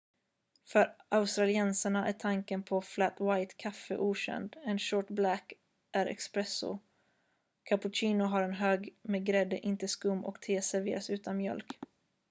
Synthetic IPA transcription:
fœɾʔaʊst̪ɾalɪɛnsəɳaʔæʈʰaŋkənpʰɔflæt̪wajt̪kʰafːə̰ʔuːɕɛ̰nd̪ɛnʃoːʈblæk | ʔæɾɛ̰kspɾɛsʊ̰ | kʰapʊt͡ʃiːnʊɦaɾɛnɦøːɡmɛɡɾɛd̪ːəʔɪnt̪əskɵmːʔɔ̰kt̪ʰeːsæɾvḛːɾasʉ̟ːt̪ʰanmjœ̰lk

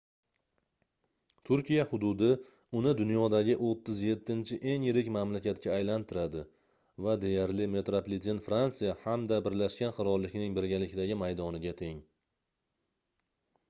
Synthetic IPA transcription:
t̪ʰʊɾkʲijahʊd̪ʊd̪ɪ | ʊnɪd̪ʊnjɒd̪aɡʲɪʔot̪ʰːɪzje̞t̪ʰːɪnt͡ʃʰɪʔe̞ŋjɪɾɪkʲmamlakʲat̪̚kʲaːjlant̪ʰɪɾad̪ɪ | vad̪e̞jaɾlɪme̞t̪ɾoplɪt̪ʰinfɾant̪sɨjahamd̪abɪɾlaʃkʲanqʰɨɾɒlːɪkʲnɪŋbɪɾɡʲalɪkʲɪd̪aɡʲɪmajd̪ɒnɪɡʲat̪ʰe̞ŋ

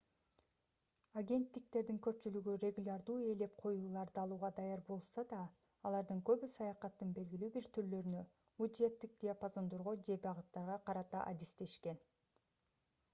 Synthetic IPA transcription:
aɡʲe̞nt̪ːik̚t̪e̞ɾd̪iŋkø̞p̚t͡ʃylyɡyrʲe̞ɡulʲaɾd̪uːe̞le̞p̚qʰo̞juːlˠɑɾd̪ɯɑlˠuːʁɑd̪ɑjɑɾbo̞lˠsɑd̪ɑː | lˠɑɾd̪ɯŋkø̞βysɑjɑqɑt̪ːɯnbe̞lɡʲilyːbiɾt̪ʰyɾlø̞ɾynø̞ | mud̪e̞t̪ːik̚d̪ʲijapazo̞nd̪o̞ɾʁod͡ʒe̞bɑʁɯt̪t̪ːɑɾʁɑqʰɑɾɑt̪ɑʔad̪ist̪e̞ʃke̞n

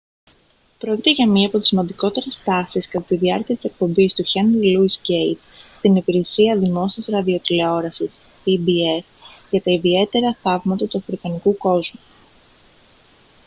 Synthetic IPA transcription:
pɾo̞ci̥t̪e̞ʝɐmɲiɐːpo̞t̪isimɐnd̪iko̞t̪e̞ɾe̞st̪ɐsiskɐt̪ɐt̪iðiɐɾciɐt̪i̥se̞k̚po̞mbist̪uçɐnlluisɟejt̪st̪inipiɾe̞siɐðimo̞siɐzɾɐðio̞t̪ile̞o̞ɾɐsis | ibie̞sʝɐt̪ɐiðie̞t̪e̞ɾɐθɐvmɐt̪ɐt̪uɐfɾikɐnikuko̞zmu

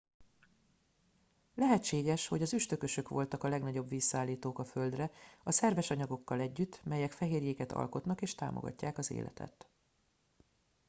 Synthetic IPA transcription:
lɛɦɛtt͡ʃːeːɡɛʃho̞ɟɒzyʃt̪ø̞kø̞ʃø̞kʋo̞lt̪ɒkɒlɛɡnɒɟo̞bʋiːsːaːlːiːt̪oːkɒfø̞ld̪rɛɒsɛrvɛʃɒɲɒɡo̞kːɒlɛɟːyt̪ːmɛjɛkfɛɦeːrjeːkɛt̪ɒ̰lko̞t̪nɒkeːʃt̪a̰ːmo̰ɡɒ̰cːaːkɒzḛːlʔɛ̰t̪ʰɛ̰t̪

